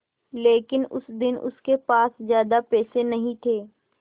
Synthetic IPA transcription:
leːkɪnʊ̰sd̪ɪnʊ̰skepaːszjaːd̪apɛːsenɐɦĩt̪ʰeː

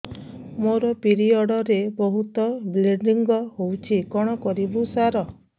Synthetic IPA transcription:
moɾɔpiɾiɔɽɔɾebɔɦut̪ɔbleɳɖiŋɡɔɦowt͡ʃʰikɔɽ̃ɔkɔɾibusaɾɔ

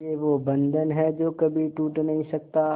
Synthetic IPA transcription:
eʋobɐ̃nd̪ʱənɦɛd͡ʒoːkɐbʱiʈuːʈnɐɦĩsɐk̚t̪a

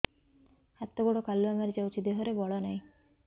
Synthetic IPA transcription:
at̪ːoɡɔɽokalːuamaɾit͡ʃawt͡ʃʰid̪eɦoɾebɔɭɔnaj

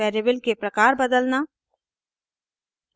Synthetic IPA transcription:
ɛːɾeːbəlkepɾɐkaːɾbəd̪əlnaː

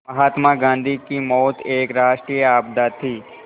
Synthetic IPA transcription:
mɐɦaːt̪maɡãːnd̪ʱikimɔːt̪eːkɾaːʃʈɾijəaːb̚d̪at̪ʰːiː

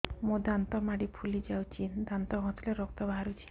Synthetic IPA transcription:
mod̪ant̪ɔmaɽipʰulid͡ʒawt͡ʃʰid̪ant̪ɔɦɔ̃t̪leɾɔk̚t̪ɔbaaɾut͡ʃʰi̥

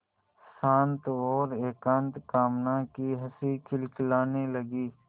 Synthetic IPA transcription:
sãːnt̪ɔːɾeːkãːnt̪kaːmnakiɦɐsikʰɪlklaːneləɡiː

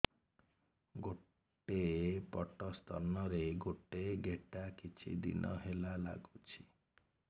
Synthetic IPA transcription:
ɡo | ʈepɔʈɔst̪ɔnɔɾeɡoʈeɡeʈakit͡ʃʰḭd̪ḭnʔɔɦelala̰ɡut͡ʃʰi̥

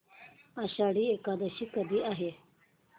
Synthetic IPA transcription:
aɕaːɽiekaːd̪ɐɕikɐd̪iʔaːɦe

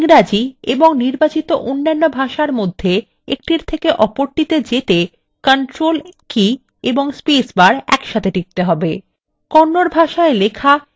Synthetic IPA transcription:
ŋɾad͡ʑieboŋniɾbat͡ɕit̪oʔonːanːobʱaʃaɾmod̪ʱːe | ḛk̚ʈiɾt̪ʰekeʔɔpoɾʈit̪ed͡ʑet̪e | kəɳʈɾolki | eboŋspisbaɾɛ̰kʃat̪ʰeʈik̚t̪eɦɔbe | kɔnːoɾbʱaʃaelekʰa

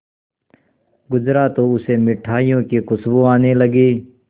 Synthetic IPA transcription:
ɡʊd͡ʒɾaːt̪oʊsemɪʈʰaːijõːkekʊsbõaːneləɡeː

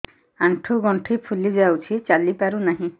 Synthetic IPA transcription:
aɳʈʰuɡɔɳʈʰipʰulid͡ʒawt͡ʃʰit͡ʃalipaɾunaɦĩ

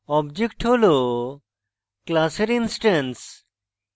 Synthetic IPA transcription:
ɔbd͡ʒekʈhɦolo | klaseɾinsʈɐns

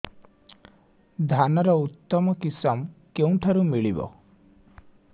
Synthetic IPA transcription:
d̪ʱanɔɾɔut̪ːɔmɔkisɔmkeũʈʰaɾumiɭibɔ̰

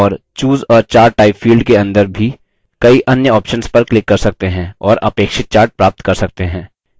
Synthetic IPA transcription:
ɔːɾt͡ʃuːzɔːɾt͡ʃaːɾʈʈaːɪpfiːlɖkeɐ̃nd̪əɾbʱi | kɐiʔɐnjəɔːpʃənspɐɾklɪkːɐɾsɐk̚t̪eɦɛ̃ɔːɾɐpeːkʃɪt̪̚t͡ʃaːɾʈ̚pɾaːp̚t̪kɐɾsɐk̚t̪eɦɛ̃ː

